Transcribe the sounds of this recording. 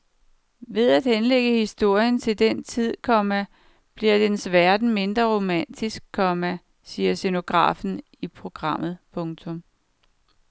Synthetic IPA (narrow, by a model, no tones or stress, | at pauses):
ʋe̝ð̞ˠæd̥henleɡ̥əhisd̥o̝ɐ̰jənt͡sʰe̝ld̥ent͡sʰið̞̰ˠkʰɒ̽mæ | b̥liɐd̥ensʋæɐd̥n̩me̝nd̥ʁɐʁo̝mæn̰d̥isɡ̥̚kʰːɒ̽mæ | siːɐseno̝ɡ̥ʁɑ̰̈ːfn̩ | ipʰʁo̝ɡ̥ʁɑ̈m̰ð̞̩ˠpʰɔ̽ŋt͡sʰɔ̽m